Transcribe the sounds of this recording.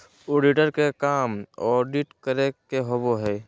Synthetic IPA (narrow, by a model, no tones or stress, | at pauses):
oːɖiʈəɾkekaːmɔːɖiʈkəɾekeɦoboɦɛː